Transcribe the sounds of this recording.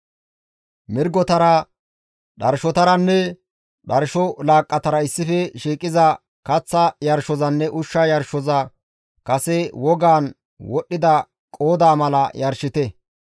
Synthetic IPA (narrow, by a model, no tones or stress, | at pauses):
mɪɾɡɔt̪ɐɾɐ | ɗɐɾʃɔt̪ɐɾɐnːɛ | ɗɐɾʃɔlaːkʼːɐt̪ɐɾɐɪsːɪfɛʃiːkʼːɪzɐ | kɐt͡sːɐjɐɾʃɔzɐnːɛʔʊʃːɐjɐɾʃɔzɐ | kɐsɛwɔɡaːn | wɔɗːɪd̪ɐ | kʼoːd̪aːmɐlɐjɐɾʃɪt̪ɛ